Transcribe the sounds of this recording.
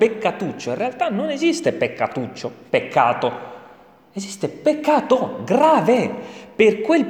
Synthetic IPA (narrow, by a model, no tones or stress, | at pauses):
pekːat̪ut͡ʃːoĩnrealt̪anonezist̪epekːat̪ut͡ʃːopekʰːa̰ːt̪o | ezist̪epekːaːt̪oɡɾaːveperkwel